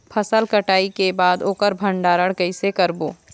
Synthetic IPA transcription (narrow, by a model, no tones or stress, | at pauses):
pʰɐsəlkəʈaːikebaːd̪oːkəɾbʱə̃ɳɖaːɾəɽɡəɪsekəɾboː